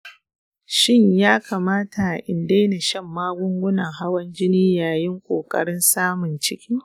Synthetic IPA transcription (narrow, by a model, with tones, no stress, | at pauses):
ʃɪ˦ɲjaː˦kʰaː˨maː˦ta˨ʔɪ˨nde˦na˨ʃɐ˦˨mːaː˦ɡʷʊ˦ŋɡʷʊ˦nɐ˨ŋɦa˦wɐ˦nd͡ʒɪ˦niː˦jaː˨jɪ˦ŋkʷʼoː˨kʼɐ̰˦ɽɪ˦nsaː˦mʊ˨nt͡ʃɪ˦kʲiː˦